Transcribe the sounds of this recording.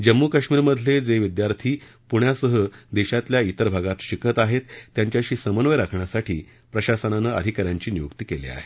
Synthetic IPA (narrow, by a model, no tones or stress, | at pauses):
d͡ʑəmːukaɕmiːɾməd̪ʱled͡zeʋid̪jaɾt̪ʰiː | puɳjasəɦəd̪eɕat̪ljait̪əɾbʱaɡat̪ɕikʰət̪aɦet̪ːjaɲt͡ɕjaɕiːsəmənʋəjɾakʰɳjasaʈʰḭː | pɾəɕasənanəəd̪ʱikaɾjaɲt͡ɕiːnijukt̪iːkelḭa̰ɦe